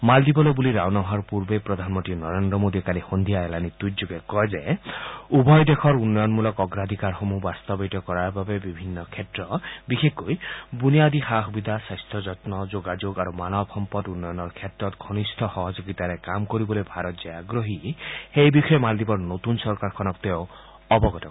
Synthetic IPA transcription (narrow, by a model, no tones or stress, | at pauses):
mald̪ibɔlobuliɾawnɔɦɔɾpuɾbepɾɔd̪ʱanmɔnt̪inɔɾend̪ɾɔmod̪ʱikalihond̪ʱijaelanit̪utd͡ʒuɡekɔjd͡ʒe | ubɔjd̪ekʰɔɾunːɔjɔnmulɔkɔɡɾad̪ʱikaɾɦomubast̪ɔbejʈɔkɔɾaɾbabebibʱinːɔkʰetɾɔbixʰekujbunijad̪ihaɦubid̪ʱasast̪ʰɔd͡ʒɔtnɔd͡ʒoɡad͡ʒoɡaɾumanɔbʱɔmpɔtunːɔjɔnɔɾkʰjetɾɔt̪ɡʱɔnistʰɔhɔɦɔd͡ʒoɡit̪aɾekamkɔɾibɔlojbʱaɾɔt̪d͡ʒeaɡɾɔɦihejbikʰɔjɔmald̪ibɔɾnot̪unsɔɾkaɾkʰɔnɔkt̪ew | ɔbɔɡɔt̪ɔ